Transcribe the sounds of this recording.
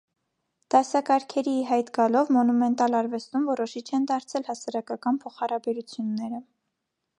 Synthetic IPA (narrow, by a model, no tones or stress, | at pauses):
d̪̥ɑsɑkɑɾkʰɛɾiɦɑjt̪ɡɑlɔvmɔnumɛnt̪ɑlɑɾvɛst̪umvɔɾɔʃit͡ʃʰɛnd̪ɑɾt͡sʰɛlhɑsɑɾɑkɑkɑnpʰɔχɑɾɑbɛɾut͡sʰjunːɛɾə